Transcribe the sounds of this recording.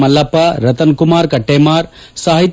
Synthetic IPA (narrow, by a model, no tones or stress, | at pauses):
mɐlːɐpːaɾɐt̪ɐnkumaːɾkɐʈːeːmaːɾ | saːɦit̪